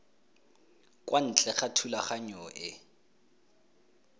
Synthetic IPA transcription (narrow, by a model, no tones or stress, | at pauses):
kʼwʔan̩t͡ɬʼɛχatʰulaχaɲɔʔɪ